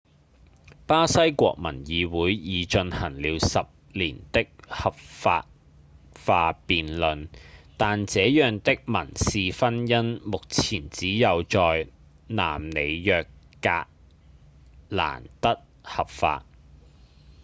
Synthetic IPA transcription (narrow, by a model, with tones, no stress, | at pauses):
paː˥sɐ˥jkʷɔ̰ː˧k̚mɐ̰˨˩njiː˨˧wuː˨˥jjiː˨˧t͡ʃɵ˧nhɐ˨˩ŋliː˨˧wsɐ˨p̚liː˨˩nt̪ɪ˥k̚hɐ˨p̚fa̰ː˧t̚ | faː˧piː˨nlɵ˨nt̪aː˨nt͡sɛː˨˧jœː˨ŋt̪ɪ˥k̚mɐ˨˩nsiː˨fɐ˥njɐ˥nmʊ˨k̚t͡sʰiː˨˩nt͡siː˨˥jɐ˨wt͡ʃɔː˨j | na̰ː˨˩mne˨˧jjœː˨kː | a̰ː˧ | la̰ː˨˩nt̪ɐ˥t̚ | hɐ˨˩p̚fa̰ː˧t̚